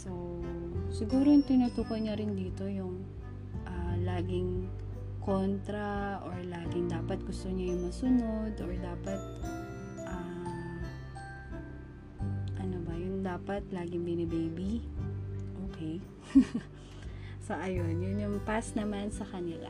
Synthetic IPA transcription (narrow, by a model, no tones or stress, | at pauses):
so | sɪɡuːɾoŋt̪ɪnut̪uːkojɲɐɾɪnd̪iːt̪o̞jʊŋ | ʔalaːɡɪŋ | ko̞nt̪ɾɐʔoɹlaːɡɪŋd̪aːpɐt̪̚ɡʊst̪oɲajʊŋmɐsʊno̞d̪ʔoɹd̪aːpɐt̪̚ | ʔam | ʔɐnobɐjʊnd̪aːpɐt̪laːɡɪŋbɪnɛbejbi | ʔoːkɛj | sɐʔɐjo̞njʊnjʊŋpasnɐmansɐkɐnɪla̰